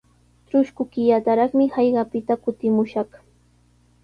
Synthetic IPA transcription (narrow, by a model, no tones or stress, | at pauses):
t͡ʃɾʊʃkʊkɪʎat̪aɾɑχmɪhɑjɢɑpɪt̪akʊt̪ɪmʊʃɑχ